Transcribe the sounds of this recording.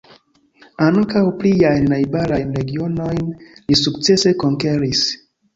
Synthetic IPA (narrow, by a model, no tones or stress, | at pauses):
aŋkawplijajnːajbalajnɾeɡionojnlisuk̚t͡sesekoŋkeɾis